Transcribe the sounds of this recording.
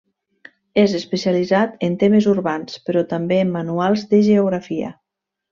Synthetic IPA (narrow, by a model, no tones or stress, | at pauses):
ezəspəsializat̪ənt̪eməzuɾβanspəɾɔt̪ambeːmːanualˠzðəʒeoɣ̞ɾafiə̰